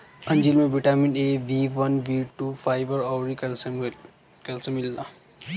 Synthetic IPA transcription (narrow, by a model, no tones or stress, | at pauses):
ənd͡ʑilmebiʈamineʋiʋənʋiʈufajʋəɾawɾikɛl | kɛlsəmilːa